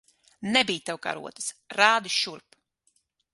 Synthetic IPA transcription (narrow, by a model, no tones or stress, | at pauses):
nɛbijt̪ɛwka̰ɾṵɔt̪ɨ̥sɾaːd̪iʃuɾp